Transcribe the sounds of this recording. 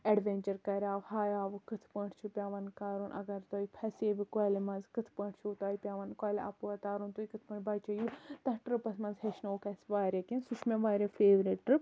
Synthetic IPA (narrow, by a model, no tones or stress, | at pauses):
ɐɖʋẽnt͡ʃɐɾkɐɾʲaːʋhaːjaːʋɨkɨt̪ʰpɐʈʰt͡ʃʰupʲaːʋɐnkaːɾunʔɐ̰ɡɐɾt̪oːipʰɐseːbikoːlmɐ̃nzkɨt̪ʰpɐ̃ɳʈʰt͡ʃʰut̪aːipʲaːʋɐnkaːlɐ̰puɐt̪aːɾunt̪uːikɨt̪ʰpɐʈbɐːt͡ʃɐjut̪ɐʈɾɨpɐsmɐnzheʃnoːkɐsʋaːɾʲekẽnsut͡ʃʰmʲẽʋaːɾefeːʋɾiʈʈɾɨp